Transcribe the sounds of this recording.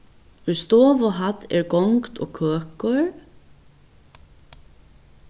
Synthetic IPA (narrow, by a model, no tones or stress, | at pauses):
ʁʏst̪ɔːvɔɦat̪ːɛ̰ɹɡɔŋkt̪ʰɔ̰kʰøːkɔɹ